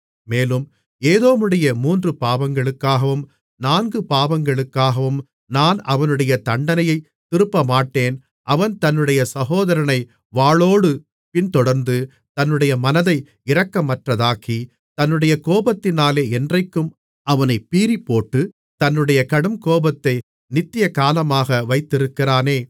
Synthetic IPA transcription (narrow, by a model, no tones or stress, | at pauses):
meːlɯm | eːðoːmɯɽɐjɐmuːndrɯpaːʋɐŋɡɐɭɯkːaːɣɐʋɯm | naːnɡɯpaːʋɐŋɡɐɭɯkːaːɣɐʋɯm | naːnɐʋɐnɯɽɐjɐt̪ɐɳɖɐnɐjɐɪ | t̪ːɪɾɯpːɐmaːʈːeːn | ʔɐʋɐnt̪ɐnːɯɽɐjɐsɐɣoːðɐɾɐnɐɪ | ʋaːɭoːɽɯ | pɪnt̪ɔɽɐɾnd̪ɯ | t̪ɐnːɯɽɐjɐmɐnɐðɐɪ | ɪɾɐkːɐmɐʈrɐðaːkʰi | t̪ɐnːɯɽɐjɐkoːbɐt̪ːɪnaːleːɛndrɐɪkːɯm | ɐʋɐnɐɪpːiːɾipːoːʈːɯ | t̪ɐnːɯɽɐjɐkɐɽɯmkoːbɐt̪ːɐɪ | nɪt̪ːɪjɐkaːlɐmaːɣɐʋɐɪt̪ːɪɾɯkːɪraːneː